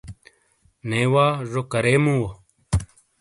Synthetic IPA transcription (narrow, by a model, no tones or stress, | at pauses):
neːwaːʐokɐɾeːmũwo